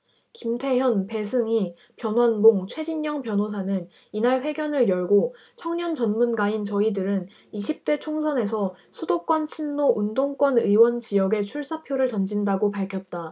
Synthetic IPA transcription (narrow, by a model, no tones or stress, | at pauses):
kimtʰe̞jʌnpe̞sʰɯŋi | pjʌnwanboŋt͡ɕʰwe̞d͡ʑiɲɲʌŋpjʌnɦosʰanɯn | inaɭɸwe̞ɡjʌnɯɭjʌɭɡo | t͡ɕʰʌŋɲʌnt͡ɕʌnmunɡaint͡ɕʌidɯɾɯn | iɕʰip̚t͈e̞t͡ɕʰoŋsʰʌne̞sʰʌ | sʰudok͈wʌnt͡ɕʰinːoʔundoŋk͈wʌnɯiwʌnt͡ɕijʌɡe̞t͡ɕʰuɭs͈apʰjoɾɯɭtʌnd͡ʑindaɡopaɭkʰjʌt̚t͈a